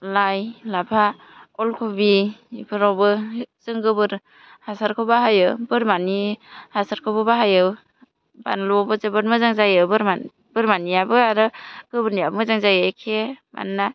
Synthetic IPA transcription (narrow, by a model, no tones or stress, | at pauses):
lajlapʰa | ɔlkʰubibʰɯɾɔwbɯzɯŋɡɯbɯɾ | hasaɾkʰɯwbaɦajɯbɯɾmanihasaɾkʰɯbɯbaɦajɯw | ba̰nlɔbɯzɯbɯɾmɯzaŋzajɯwbɯɾa | b̥ɯɾmanijabɯaɾɯɡ̥ɯbɯɾnijabmɯzaŋzajɯkʰema̰nːa